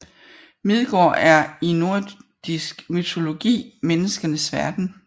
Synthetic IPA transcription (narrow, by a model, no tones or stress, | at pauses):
mið̞ˠɡ̥ɒ̰ːʔæɐino̝ɐ̰d̥isɡ̥myt͡sʰo̝lo̝ɡ̥ḭːmenəsɡ̥ɐnəsʋæɐd̥n̩